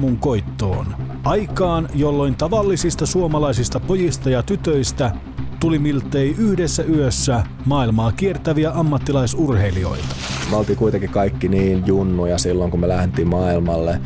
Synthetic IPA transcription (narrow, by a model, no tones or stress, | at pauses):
muŋko̞jt̪ːo̞̰ːn | ʔɑjkɑːnjolːo̞jnt̪ɑʋɑlːisist̪ɑsuomɑlɑisist̪ɑpo̞jist̪ɑjɑt̪yt̪øist̪æ | t̪ulimilt̪ːˑeiʔyhdesːæyøsːæ | mɑːilmɑːkiert̪æʋiæʔɑmːɑt̪ːilɑisurhe̞lio̞̰it̪ɑ̥meolt̪iːkuit̪eŋkikɑikːiniːnjunːujɑsilːoŋkumelæhnt̪iːmmɑːilmɑlːe